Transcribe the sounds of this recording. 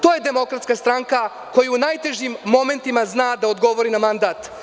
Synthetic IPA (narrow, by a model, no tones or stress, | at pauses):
t̪o̞ːje̞d̪e̞mo̞kɾat̪skast̪ɾaŋka | ko̞juunajt̪e̞ʒimːo̞me̞nt̪imaznaːd̪aod̪ɡo̞ʋo̞ɾinamand̪aːt̪